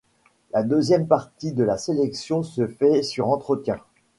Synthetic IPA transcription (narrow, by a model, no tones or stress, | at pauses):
lad̪øzjɛmpaʁt̪id̪əlaselɛksjɔ̃səfɛsyʁɑ̃t̪χət̪jɛ̃